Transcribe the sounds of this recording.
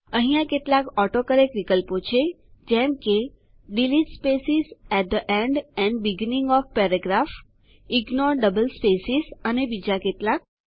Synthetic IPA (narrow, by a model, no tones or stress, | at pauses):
əɦijãkeʈlakɔʈokəɾekʋikəlpot͡ʃʰe | d͡ʒɛmke | ɖiliʈspesizɛʈ̚d̪əʔɛɳɖɛ̃ɳɖbiɡnĩŋɡɔfpɛɾəɡɾaf | iɡnɔɾɖəbəlspesisənebid͡ʒakeʈlak̚